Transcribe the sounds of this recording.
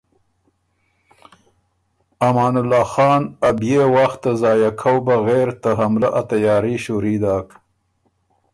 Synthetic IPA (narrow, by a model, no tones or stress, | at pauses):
amɑːnʊlːɑːxɑːnabjewaxt̪ːazɑːjakʰawbaɣeɾt̪aɦamlaʔat̪ajɑːɾiʃuɾid̪ɑːk